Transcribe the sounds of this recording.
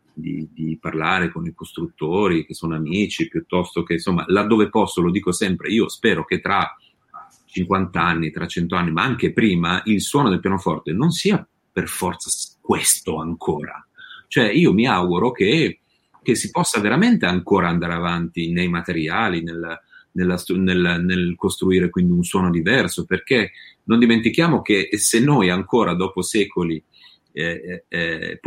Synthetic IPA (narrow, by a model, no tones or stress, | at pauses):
d̪ḭd̪iparlaːɾekonikost̪ɾut̪ːoːɾik̟esːoːnoamiːt͡ʃipjut̪ːɔst̪ok̟ensomːa̰lad̪ːoːvepɔsːolod̪iːkosɛmpɾeiːospɛːɾok̟et̪ːɾa | t͡ʃiŋkwant̪aanːit̪ɾʔat͡ʃːɛnt̪oanːimaaŋk̟epɾiːmaʔilswɔːnod̪elpjanofɔrt̪enonsiːa | perfɔrt̪sakwest̪oaŋkʰoːɾa̰ | t͡ʃoɛiːomiaɡuɾok̟e | k̟esːipɔsːaveɾament̪eaŋkoːɾaand̪aːɾeavant̪inejmat̪eɾjaːlinelnelːast̪nelnelkost̪ɾuiːɾekwind̪iunswɔːnod̪ivɛrsoperkenond̪iment̪ik̟jaːmok̟esenːojaŋkoːɾʔad̪ɔːposɛːkoli | ɛ